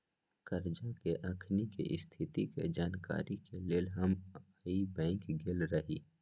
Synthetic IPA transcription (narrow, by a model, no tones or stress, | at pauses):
kɐɾd͡ʒakeʔɐkʰnikḭʔɪst̪ʰɪt̪ikḛd͡ʒaːnka̰ːɾikeleːlɦɐmaibɛ̃ːŋkɡelɾɐɦiː